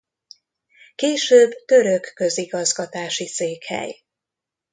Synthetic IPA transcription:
keːʃøːbt̪ø̞ɾøkːø̞ziɡɒzɡɒt̪aːʃiseːkhɛ̰j

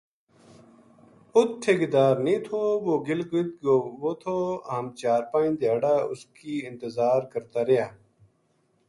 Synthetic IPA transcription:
ʊt̪̚ʈʰːeːɡɪd̪aːɾnĩːt̪ʰoːʋoːɡɪlɡʊt̪ɡoːʋoːt̪ʰoːəmt͡ʃaːɾpãːĩːd̪jaːɽaːʊskiːɪ̃nt̪əzaːɾkəɾt̪aːɾɪjaː

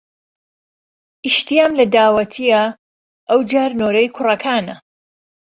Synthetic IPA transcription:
ʔiʃt̪ijaːmlɐd̪aːwɐt̪ʰijɐ | ʔɐwd͡ʒaːɾnoːɾɐjkʰʊrɐkʰaːnɐ

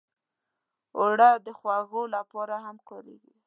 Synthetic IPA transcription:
oɽad̪əxwaɣolapɑɾaɦamkɑɾḛɡi

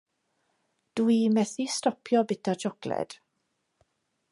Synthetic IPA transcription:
d̥uimɛθistɔpʰjɔbɪtʰat͡ʃʰɔklɛ̰d̥

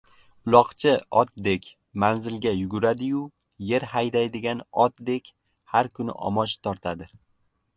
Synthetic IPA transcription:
ʊlˠɒqt͡ʃʰɪɒt̪̚d̪e̞kʲ | manzɪlɡʲajʊɡʊɾad̪ɪjʊ | je̞ɾhajd̪ajd̪ɪɡʲanɒt̪d̪e̞kʲ | haɾkʰʊnɪ̰ʔɒ̰mɒʃt̪ʰɒɾt̪ʰad̪ɪ

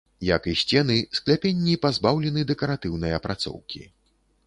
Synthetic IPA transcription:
jɐkisʲt͡sʲɛnɨsklʲapʲenʲːipazbawlʲɛnɨd̪ɛkɐɾat̪ɨwnɐjɐpɾʔat̪sɔ̰wkʲḭ

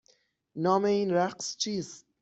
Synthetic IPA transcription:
nɒːmeinɾæqst͡ʃʰiːz

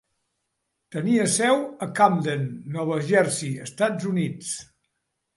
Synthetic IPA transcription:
t̪əniəsɛwəkamd̪enːɔβəʒɛɾsiəst̪ad͡zunit͡s

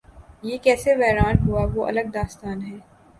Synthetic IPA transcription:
jeːkɛːseʋɛːɾaːnɦuaʋoːʔɐ̰ləɡ̚d̪aːst̪aːnɦɛː

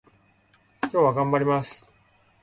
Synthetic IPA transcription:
kʲo̞ːβaɡãmbaɾʲimasɨ̥

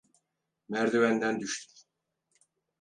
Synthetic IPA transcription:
mæɾd̪evænd̪ænd̪yʃt̪ʰy̥m

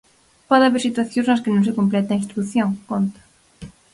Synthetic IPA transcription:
pɔðaβeɾsit̪waθjõznɐskenõŋs̬ekomplɛt̪eĩnst̪ɾuθjoŋkont̪ḁ

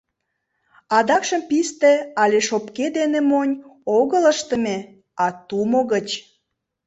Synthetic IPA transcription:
ɑd̪ɑkʃəmpist̪eɑlʲeʃopked̪enemonʲoɣələʃt̪əme | ɑt̪umoɣət͡ɕ

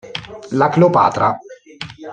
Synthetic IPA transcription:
laklopa̰ːt̪ɾa

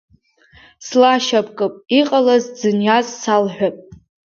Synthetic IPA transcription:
slaʃapʰkʼɨpʼiqʼalazd͡zɨnjazsalħᶣʷapʼ

